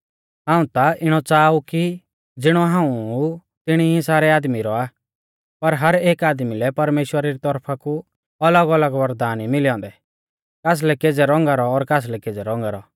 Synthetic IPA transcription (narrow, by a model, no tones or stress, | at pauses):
ɦãːũt̪aʔɪɽ̃ɔt͡saːuki | d͡zɪɽ̃ɔɦãːũ | t̪ɪɽ̃iĩsaːɾɛaːd̪miɾɔaː | pɐɾɦɐɾeːkaːd̪milɛpɐɾmeːʃwəɾaɾit̪ɔɾpʰaku | ɐləɡələɡʋɐɾd̪aːnimɪliɔ̃ːnd̪ɛ | kaːs̬lɛked͡zɛɾɔ̃ŋɡaɾɔːɾkaːs̬lɛkeːd͡zɛɾɔ̃ŋ̆ɡaɾɔ